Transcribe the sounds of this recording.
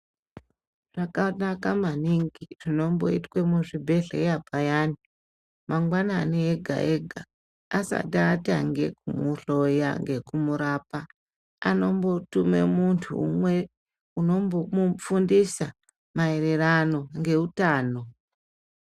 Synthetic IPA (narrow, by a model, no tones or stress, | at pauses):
ʐ̥akanakamaniŋɡiʐ̥ino̞mbo̞̰itwemuʐibʱe̞ɬḛjabajaːni | maŋɡwananeeɡʱa̰ʔeɡʱaː | sa̰taːta̰ŋɡe̞kumuɬo̞ja̰ŋɡe̞kumuɾaːpa | ano̞mbo̞tume̞̰muntʰṵːmwe̞ | uno̞mbomufundisa | maeɾerano̞ŋɡe̞utaːno̞